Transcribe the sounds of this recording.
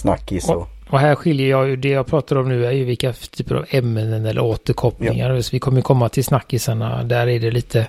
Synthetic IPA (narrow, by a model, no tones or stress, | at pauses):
sna̰kːɪsɔ | ɔɦæːɾɧɪljəjɑːjɵd̪ɛjɑːɡpʰɾɑːt̪ad̪ɾɔmnʉ̟ːæɾjɵvɪlkːat̪ʰyːpəɾa̰vɛmːənənɛlːə̰ɾoːt̪əɾkʰɔpːnɪ̰ŋaɾsvɪkʰɔmːəjɵkʰɔmːat̪ʰɪlsnakːɪsaɳa̰d̪æɾæɖɛliːt̪ʰə